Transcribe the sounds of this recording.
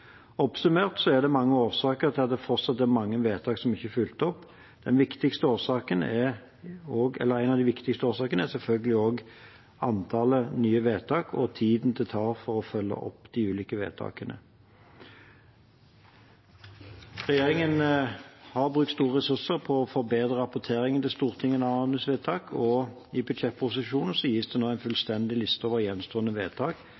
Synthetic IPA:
ɔpsʉmeːʁt̪sɔɛd̪ɛmɑŋːəoːsɑːkət̪ʰɪlɑt̪̚d̪ɛfɔʁt̪sɑt̪̚ːɛmɑŋːəʋeːt̪ʰɑːksɔmɪçːəfʏlt̪ɔpː | d̪̥ɛnʋɪkt̪ɪkst̪əoːsɑːkənɛ | oːɡɛ̰lːəʁæɪnɑʋd̪ɪʋɪkt̪ɪkst̪əoːsɑːkənɛsɛlfœlɡəlɪoːɡ | ɑnt̪ʰɑːlənyːəʋeːt̪ʰɑːkʰɔ̰t̪ʰiːd̪n̩t̪ʰɪt̪ʰɑːʁfɔɾʁɔfœlːə̰ʔɔ̰pːd̪̥ɪʉːliːkəʋḛːt̪ʰɑ̰ːkənə̰ | ʁɛjeːʁɪŋən | hɑʁbʁʉk̚t̪st̪uːʁəʁɛsʉʁsəʁpʰɔɔfɔʁbeːd̪ʁəʁɑpɔt̪ʰeːɾɪŋənt̪ʰɪlst̪uːʁt̪ʰɪŋːənɑɑnəsʋeːt̪ʰɑːkʰɔ | ɪbʏd̪sɛt̪̚ːpʰʊs̬ɪʃuːnn̩sɔjiːsd̪ɛnoːæɪnfʉlst̪ɛnd̪ɪlɪst̪əɔːʋəʁjɛnst̪oːənəʋeːt̪ʰɑːk

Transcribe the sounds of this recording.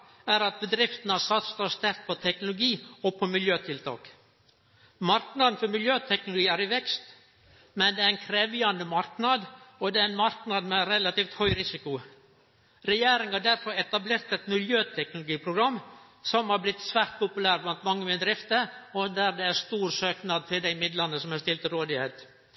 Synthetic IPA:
æɾɑt̪̚bəd̪ɾɪft̪ənəɑsɑt̪sə̥t̪ɔst̪æɾk̪̚pʰɔt̪ʰɛknʊlʊɡiːɔpʰɔmɪljøːt̪ʰɪlt̪ʰɑ̰ːk | mɑɾknɑd̪n̩fɔɾmɪljøːt̪ʰɛknʊlʊɡiːæɾɪʋɛkst̪ | mɛnd̪ɛæɾɛnkʰɾeːʋɪɑnd̪əmɑɾknɑd̪ɔd̪ɛæɪnmɑɾknɑd̪mɛɾɛlɑt̪iːft̪hœʏɾɪsɪkʊ | ɾɛjeːɾɪŋhɑɖæɾfɔɾɛt̪ɑbleːɾt̪ɛɪt̪mɪljøːt̪ʰɛknʊlʊɡiːpʰɾʊɡɾɑmː | sɔmhɑɾblɪt̪ːsʋæːɾt̪̚pʰʊpʉlæːɾblɑnt̪mɑŋːəmɪd̪ɾɪft̪əɾɔd̪æɾd̪ɛæɾst̪uːɾsøːknɑd̪̚t̪ʰɪld̪æɪmɪd̪lɑnːəsɔmæst̪ɪlt̪əɾoːd̪ɪheːt̪

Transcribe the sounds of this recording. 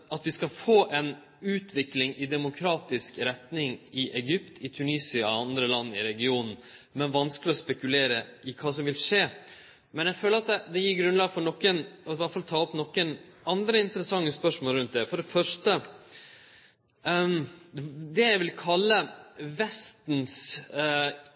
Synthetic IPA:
ʔɑt̪ʋɪskɑfoːʔɛn | ʉːt̪ʰʋɪklɪŋʔɪd̪ɛmʊkʰɾɑːt̪ɪskɾɛt̪nɪŋɪʔɛɡʏpt̪ʰɪt̪ʰʉniːsɪɑɑnd̪ɾəlɑnːɪ̰ɾɛɡɪuːnn̩mɛnʋɑnsklɪɔspɛkʉleːɾəʔɪkʰɑːsɔmʋɪlʂeː | mɛnjɛføːləɾɑt̪̚d̪ɛd̪ɛjiːɾɡɾʉnlɑːɡfɔɾɳɔkːənɔɪʋæt̪fɑlt̪ʰɑːɔpnɔkːənɑnd̪ɾəɪnt̪əɾəsɑŋːəspœʂmoːlɾʉnt̪̚d̪ɛfɔɖɛfœʂʈə | d̪ɛjæɪʋɪlkʰɑlːəʋɛst̪n̩s

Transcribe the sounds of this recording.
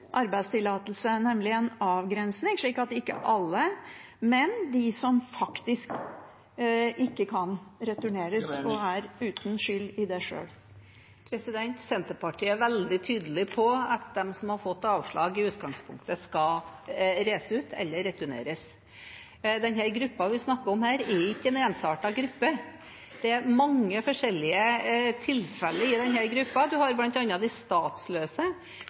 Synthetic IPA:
ʔɑɾbæɪd̪st̪ʰɪlːɑːt̪əlsəænɛmlɪɛnɑːʋɡɾɛnsnɪŋʂɭiːkɑt̪ɪkːə̰ʔɑlːə | mɛnd̪ɪsɔmfɑkt̪ɪsk | ʔɪkːəkʰɑnɾɛt̪ʉɳeːɾəsɔæɾʉːt̪n̩ʂʏlːɪd̪ɛʂø̰ːl | pʰɾɛsɪd̪ɛnt̪sɛnt̪əɾpɑʈʰiːæɾʋɛld̪ɪt̪ʰyːd̪əlɪpʰɔɑt̪̚d̪ɛmsɔmhɑɾfɔt̪ːɑːʋʂɭɑːɡɪʉːt̪ɡɑŋspʰʊŋk̚t̪əskɑ | ɾeːsəʉːt̪ʰɛ̰lːəɾɛt̪ʉnḛːɾəs | d̪ɛnhæɾɡɾʉpːɑʋɪsnɑkːəɾɔmhæːɾɛɾʊɪkːəɛneːnsɑːʈɑɡɾʉpːə | d̪̥ɛæɾmɑŋːəfɔʂɛlːɪət̪ʰɪlfɛlːəɪd̪ɛnhæɾɡɾʉpːɑd̪ʉɦɑɾblɑnt̪ɑnːɑd̪æɪst̪ɑːt̪sløːsə

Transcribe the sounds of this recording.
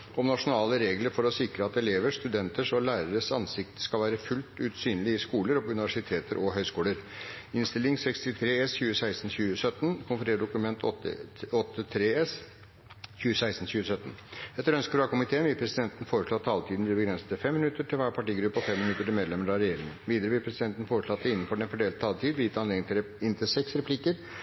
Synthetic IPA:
ɔmnɑʂʊnɑːləɾeːɡləɾfɔɾɔsɪkɾəɑt̪ɛleːʋəʂt̪ʉd̪ɛnt̪əʂɔlæːɾəɾəsɑ̰nsɪkt̪ə̥skɑlʋæːɾəfʉlt̪ʉːt̪syːnlɪɪskuːləɾɔpɔʉnɪʋæʂɪt̪ʰeːt̪əɾʔɔɦœʏskuːləɾɪnst̪ɪlɪŋsɛkst̪ɪt̪ʰɾeːɛsçʉːəsæɪst̪n̩ɕʉːəsœt̪ːnkʰʊnfəɾeːɖʊkʉmɛnt̪ʰɔt̪ɔt̪ːət̪ʰɾeːɛs | çʉːəsæɪst̪n̩ɕçʉːəsœt̪ːənɛt̪ːəɾœnskəɾɑːkʊmɪt̪ʰeːənʋɪlpʰɾɛsɪd̪ɛnt̪ən̩foːɾəʂɭoːt̪ʰːɑːlt̪ʰiːd̪nb̪ɪbəɡɾɛnsə̥t̪əfɛmːɪnʉt̪ːəʈʰɪlʋæːɾpʰɑʈiːɡɾʉpːɔfɛmːɪnʉt̪ːəʈɪlmeːd̪lɛmːəɾɑʋɾɛjeːɾɪŋənʋiːd̪əɾəʋɪlpʰɾɛsɪd̪ɛnt̪n̩foːɾəʂɭɑt̪ːəɪnːn̩fɔɖɛnfɔɖeːlt̪ʰɑːlt̪ʰiːd̪ʋɪjɪt̪ʰːɑnleːd̪ɪŋt̪ʰ | ɪnt̪ʰɪlsɛksɾɛpʰlɪkːəɾ

